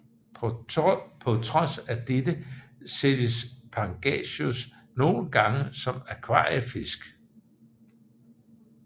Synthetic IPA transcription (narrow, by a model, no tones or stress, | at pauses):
pʰɒ̽t͡sʰʁɒ̽sæd̥ed̥əsed̥əspʰɑ̈ŋɡ̥ɛ̰ɕos | no̝ːlɡ̥ɑ̈ŋəsɒ̽mækʰʋɑ̰̈ːəfe̝sɡ̥